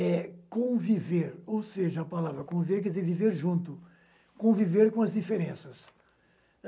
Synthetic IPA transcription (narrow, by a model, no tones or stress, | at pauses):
ɛkõviveɾowseʒɐɐpalavɾɐkõviveɾk̬ɛd̪izeɾviveɾʒũnt̪ʊ | kõviveɾkõɐzd̪ifeɾẽsɐs